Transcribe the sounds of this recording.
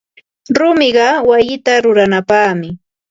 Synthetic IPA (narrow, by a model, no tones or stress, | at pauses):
ɾʊmɪɢɑwajɪt̪aɾʊɾanapaːmɪ